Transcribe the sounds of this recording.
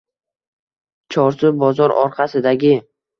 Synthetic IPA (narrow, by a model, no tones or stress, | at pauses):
t͡ʃʰɒɾsʊbɒzɒɾɒ̰ɾqʰasɪd̪aɡʲɪ